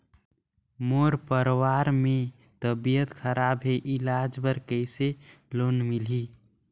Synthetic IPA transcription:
moɾpəɾwaɾmẽ | t̪əbijət̪kʰəɾabɦeʔɪlad͡ʒbəɾkəɪselonmili

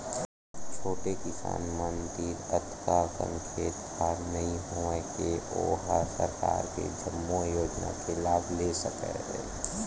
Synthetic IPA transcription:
t͡ʃʰoːʈekɪsa̰ːnmənd̪iɾət̪ʰkakə̰̃ŋkʰeːt̪ | aːɾnɐɦĩɦoekeoːɦasəɾka̰ːɾkḛd͡ʒəmːojoːd͡ʒna̰kelaːbʱlesəkə̰ɦɛ̰̃ː

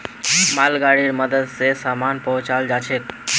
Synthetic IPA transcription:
malɡaɽiɾməd̪əd̪sesaːmanpɔɦʊ̃t͡ʃald͡ʒat͡ʃʰek̚

